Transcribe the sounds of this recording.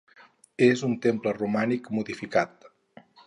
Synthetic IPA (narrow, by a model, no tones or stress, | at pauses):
ezunt̪emplərumanikmuðifikat̪̚